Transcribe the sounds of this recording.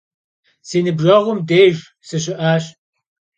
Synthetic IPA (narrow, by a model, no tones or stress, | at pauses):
seːnɨbʒɐʁʷʊmdeːjʒ | sɨɕ̬ɪʔaːɕ